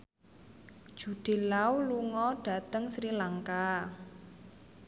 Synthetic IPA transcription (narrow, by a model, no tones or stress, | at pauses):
ʒ̥ṳɖ̥e̤lauluŋɔɖ̥a̤t̪əŋsɾilaŋka